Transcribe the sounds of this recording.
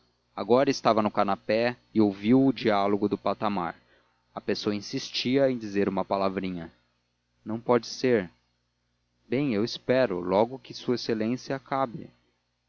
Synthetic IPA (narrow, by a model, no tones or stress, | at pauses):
a̰ɡɔɾɐɪst̪avɐnʊkanapɛ | ɪowviwʊd͡ʒialoɡʊd̪ʊpat̪ama̰ɾ | ɐpesoɐĩsist͡ʃiɐẽj̃d͡ʒizeɾũmɐpalavɾĩɲɐ | nɐ̃w̃pɔd͡ʒɪseɾ | bẽj̃ewɪspɛɾʊ̰lɔɡʊkɪsuɐeselẽsjɐkabɪ̰